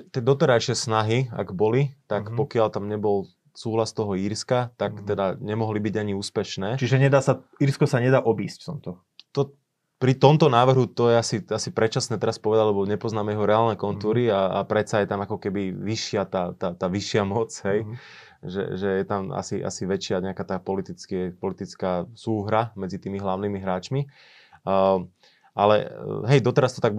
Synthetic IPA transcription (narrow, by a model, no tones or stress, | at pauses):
t̪ɪɛd̪ɔt̪ɛɾajʃɪɛsnaɦia̰ɡbɔlit̪akpɔkɪalt̪amɲɛbɔl | suːɦlast̪ɔɦɔiːɾskat̪akt̪ɛd̪aɲɛmɔɦlibiɟaɲiuːspɛʃnɛːt͡ʃiʒɛɲɛd̪aːsaiɾskɔsaɲɛd̪aːʔɔbiːscft̪ɔmt̪ɔ | t̪ɔ | pɾit̪ɔmt̪ɔnaːʋr̩ɦut̪ɔjɛasiasipɾɛt͡ʃasnɛt̪ɛɾaspɔʋɛd̪aɟlɛbɔɲɛpɔznaːmɛjɛɦɔɾɛaːlnɛkɔnt̪uːɾiaapɾɛt͡sajɛt̪amakɔkɛbiʋiʃɪat̪aːt̪aːt̪aːʋiʃɪamɔt͡sɦɛj | ʒɛ̰ʒɛjɛt̪ama̰siʔa̰siʋɛt͡ʃɪaɲɛakaːt̪aːpɔlit̪it͡skɛpɔlit̪it͡skaːsuːɦɾamɛd͡zit̪iːmiɦlaʊniːmiɦɾaːt͡ʃmi | ʔalɛ̰ɦɛjd̪ɔt̪ɛɾast̪ɔ̥t̪aɡ̚